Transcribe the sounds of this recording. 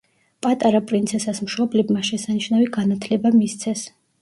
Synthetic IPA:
pʼat̪ʼaɾapʼɾint̪sʰɛsasmʃɔblɛbmaʃɛsaniʃnaviɡanat̪ʰlɛbamist̪sʰɛs

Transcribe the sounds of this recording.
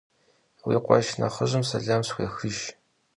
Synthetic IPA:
wḭːqʷɑʃnɐ̰χəʑɪmsɐɮaːmsxʷeːxɨʒ

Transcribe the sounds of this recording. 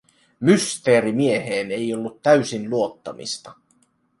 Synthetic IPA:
myst̪e̞ːɾimie̞heːne̞jo̞lːut̪ːæɥsinluo̞t̪ːɑmḭst̪ɑ

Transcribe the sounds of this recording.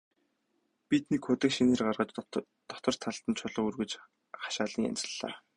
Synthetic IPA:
pit̪̚nikxʊt̪ɘ̆kʃineːrɢarʁə̆t͡ɕ | t̪ɔt̪ɞ̆r̥t̪ʰaɮt̪ə̆nt͡ɕʰʊɮɞ̆urɣɘ̆t͡ɕ | χḁʃaːɮiːŋa̰nʲt͡srə̆ɮ̥ːa̰ː

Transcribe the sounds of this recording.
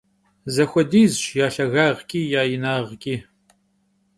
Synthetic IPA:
zɐxʷɔdiːzɕjaːɬɐɣaːʁɡʼiːjaːjɪnaːʁkʼiː

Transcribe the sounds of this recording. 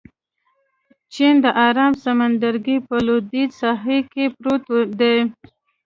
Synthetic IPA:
t͡ʃind̪əʔɑɾɑmsamand̪aɾɡipəlod̪isɑɦikepɾot̪od̪e

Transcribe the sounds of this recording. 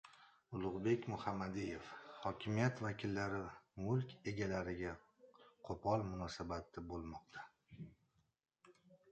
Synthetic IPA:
ʊlˠʊʁbe̞kʲmʊhamːad̪ɪje̞fhɒkʲʰɪmijat̪vakʲʰɪlːaɾɪmʊlkʲe̞ɡʲalaɾɪɡʲa | qʰopʰɒlˠmʊnɒsabat̪ʰːɪbolˠmɒq̚t̪ʰḁ

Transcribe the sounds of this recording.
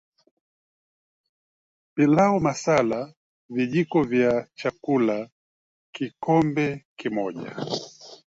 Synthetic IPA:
pilaɔmasala | viʄikɔvjat͡ʃakula | kikɔmbɛkimɔʄa̰

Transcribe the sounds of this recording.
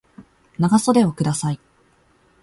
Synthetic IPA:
naɡaso̞d̪e̞okɯ̟d̪asai

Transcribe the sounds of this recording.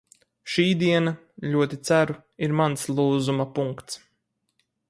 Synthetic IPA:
ʃiːd̪iɛna | ʎʲuɔt̪it̪sæɾuiɾmanslˠuːzumapuŋkt̪s

